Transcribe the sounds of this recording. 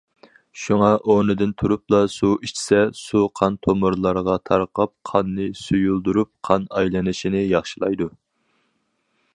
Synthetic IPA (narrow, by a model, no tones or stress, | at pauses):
ʃuŋɑʔonɨd̪ɪnt̪ʰuɾuplˠɑsuit͡ʃʰi̥sɛsuqʰɑnt̪ʰomɨɾlˠɑɾʁɑt̪ʰɑɾqʰɑp̚qʰɑnːɨsujulˠd̪uɾup̚qʰɑnɑjlˠɛnɨʃinɪjɑχʃilˠɑ̰jd̪u